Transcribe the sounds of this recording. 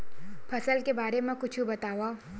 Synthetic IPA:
pʰɐsəlkebaːɾemẽkʊt͡ʃʰubɐt̪aːwaː

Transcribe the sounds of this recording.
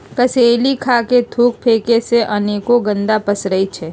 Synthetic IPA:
kɐseːlikʰaːket̪ʰuːk̚pʰeːkeseʔɐneːkoɡə̃nd̪apɐsɾɐit͡ʃʰɛː

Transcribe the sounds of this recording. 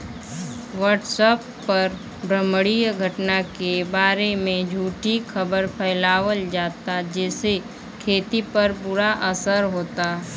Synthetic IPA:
ʋəɾʈsəpːɐɾ | bɾəməɽijɡʱəʈnakebaːɾemẽd͡ʒʱuːʈixʰɐbəɾpʰɛːlaːwəld͡ʒaːt̪ad͡ʒɛːse | kʰeːt̪ipɐɾbʊɾaʔɐsəɾɦoːt̪a

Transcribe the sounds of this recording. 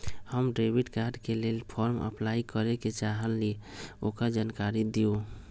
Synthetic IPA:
həmɖɾebiɖkaɾɖkelelpʰɔɾmə̰plaikəɾeket͡ʃaɦəlːiokəɾd͡ʒankaɾid̪io

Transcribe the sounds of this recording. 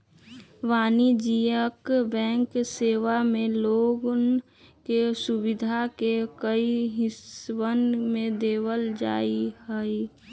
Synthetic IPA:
ʋaːnid͡ʒiəkbɛ̃ːŋkseːʋamẽloːɡn | kesʊbɪd̪ʱakekəiɦɪswənmẽd̪eːwəld͡ʒa̰ːiɦɛi

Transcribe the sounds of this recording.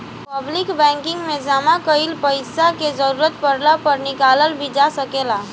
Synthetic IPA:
pəblikbɛ̃ŋkiŋɡmed͡ʒamakəilpəɪsaked͡ʒəɾuɾət̪̚pəɾlapəɾnikaləlbʱid͡ʒasəkela

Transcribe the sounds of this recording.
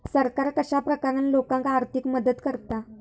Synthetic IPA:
səɾkaɾkəɕapɾəkaɾanlokãŋkaɾt̪ʰikməd̪ət̪kəɾt̪a

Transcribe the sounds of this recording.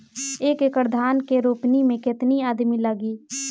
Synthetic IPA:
eːkekɾd̪ʱaːnkeɾoːpnimẽkɪt̪niaːd̪miləɡiː

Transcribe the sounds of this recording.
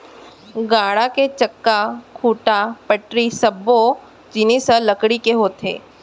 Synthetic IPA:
ɡaːɽaket͡ʃɐkːakʰuːʈapəʈɾisɐbːo | d͡ʒɪnisɐlɐkɽikeɦoːt̪ḛː

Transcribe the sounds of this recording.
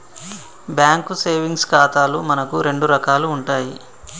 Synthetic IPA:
bjaːŋkuseːʋiŋɡskaːt̪aːlumɐnɐkuɾe̞ɳɖuɾɐkaːluːɳʈaːji

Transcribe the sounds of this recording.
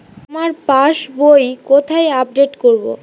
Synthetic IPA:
amaɾpaʃbojkot̪ʰajap̚ɖeʈkoɾbo̰

